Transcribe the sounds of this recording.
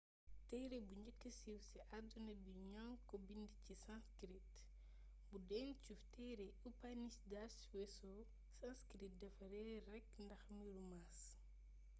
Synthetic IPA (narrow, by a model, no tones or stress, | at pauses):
tɛjɾebuɲɟəkːəsiwsiʔadunɐbiɲɔŋkɔbindicisãnskɾit | budɛnt͡ʃuftɛjɾɛ | upanisdaswɛsɔ | sãnskɾit̚dɐfɐɾɛrɛkːndɐxmiɾumas